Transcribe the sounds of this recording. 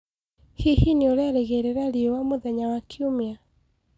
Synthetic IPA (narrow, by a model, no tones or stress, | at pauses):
hihinioɾeaɾeɣeɾeɾaɾiowamoðɛɲawakiomea